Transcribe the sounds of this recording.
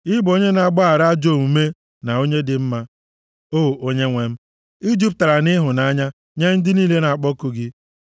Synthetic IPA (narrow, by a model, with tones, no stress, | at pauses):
ɪ˦bo˦ɲe˦na˨ɡ͡ba˦a˨ɾa˦d͡ʒo˦˨mu˨me˦ | na˨o˦ɲe˦dɪ˨m̩˦ma˦ | oː˦˨o˦ɲe˦ŋʷe˨m̩˦ | i˦d͡ʒi˦p̚ta˨ɾa˨nɪ˦ɦʊ˨na˦ɲa˦ | ɲe˦n̩˦dɪ˦niː˦le˦na˨a˨k͡pɔ˦kʊ˨ɡɪ˦